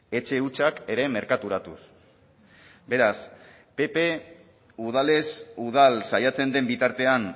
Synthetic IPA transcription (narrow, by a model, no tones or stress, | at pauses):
e̞t͡ʃe̞ut͡ʃake̞ɾe̞me̞ɾkat̪uɾat̪us | be̞ɾas | pe̞pe | uð̞ale̞suð̞alsajat͡se̞nd̪e̞mbit̪aɾt̪e̞an